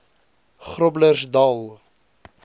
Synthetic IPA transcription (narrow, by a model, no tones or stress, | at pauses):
χrɔblərsd̪ɑlˠ